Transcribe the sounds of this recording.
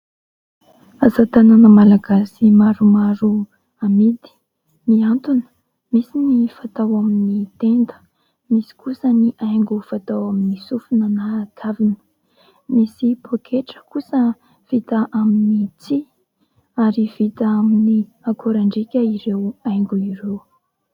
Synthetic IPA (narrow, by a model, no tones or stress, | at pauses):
azat̪ananəmalaɡasimaɾumaɾu | amid̪i̥ | miant̪unə̥ | misinifat̪awaminit̪end̪ə̥ | misi̥kusəniʔajŋɡufat̪awaminisufunanakʰavinə̥ | misipʰokʰeʈ͡ʂə̥kusə | v̥it̪aʔaminit͡si | aɾiv̥it̪əamini | akʰoɾaɳɖ͡ʐikʲəiɾewajŋɡuiɾew